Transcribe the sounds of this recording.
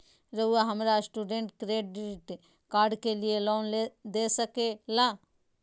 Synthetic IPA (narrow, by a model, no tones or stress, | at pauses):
ɾɐɦuaɦɐmɾasʈuːɖẽɳʈkɾeːɖɖɾɪʈ | kaːɾɖkelijeloːnled̪esəkelaː